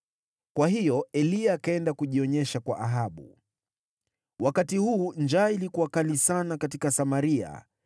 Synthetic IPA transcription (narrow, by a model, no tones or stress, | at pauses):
kwaɦijɔɛliakaɛndakuʄiɔɲɛʃakwa̰ʔaɦaɓṵ | wʔakatihuːnd͡ʒaːilikuwakalisanakatikasamaɾia̰